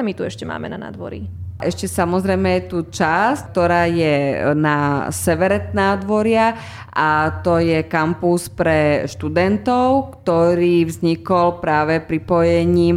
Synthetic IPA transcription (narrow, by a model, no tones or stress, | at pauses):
amit̪uɛ̰ʃcɛma̰ːmɛ̰na̰na̰d̪ʋɔ̰ɾḭʔɛʃcɛsamɔzɾɛjmɛjɛt̪ut͡ʃask̚t̪ɔɾaːjɛnasɛʋɛɾɛt̪naːd̪ʋɔɾɪa | ʔat̪ɔjɛkampuspɾɛʃt̪ud̪ɛnt̪ɔʊkt̪ɔɾiːvzɲikɔlpɾaːʋɛpɾipɔjɛɲiːm